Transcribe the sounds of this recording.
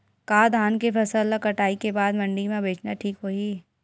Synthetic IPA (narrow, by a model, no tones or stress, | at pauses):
kaːd̪ʱaːnkepʰɐsəlːɐkɐʈaːikebaːd̪mɐ̃ɳɖimẽbeːt͡ʃnaʈʰiːkɦoːi